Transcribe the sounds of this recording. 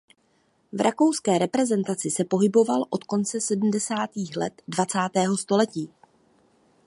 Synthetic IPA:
vɾʔako̞wskɛːɾɛpɾɛzɛnt̪at͡sɪsɛpo̞ɦɪbo̞valʔo̞t̪ko̞nt͡sɛsɛdm̩dɛsaːt̪iːxlɛ̰t̪dvat͡saːt̪ɛːɦo̞st̪o̞lɛciː

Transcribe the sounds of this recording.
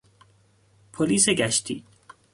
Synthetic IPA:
pʰoliːseɡæʃt̪ḭ

